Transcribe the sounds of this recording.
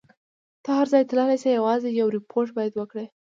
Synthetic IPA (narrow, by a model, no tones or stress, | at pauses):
t̪ɑhaɾzɑjt̪əlɑlajsajawɑzejawɾɪpʰoɾʈ̚bɑjad̪wəkɽe